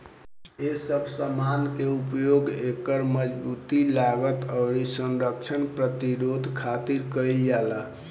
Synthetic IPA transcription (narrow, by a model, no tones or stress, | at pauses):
esəbʱsəmankeupjoɡekəɾməd͡ʒbut̪ilaɡət̪əʊɾisənɾək̚t͡ʃʰənpɾət̪iɾod̪ʱkʰat̪iɾkəiljalə